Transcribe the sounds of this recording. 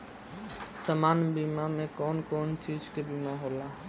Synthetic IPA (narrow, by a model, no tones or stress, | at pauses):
səmaːnbiːmamẽkɔːnkɔːnt͡ʃiːd͡ʒkebiːmaɦoːlaː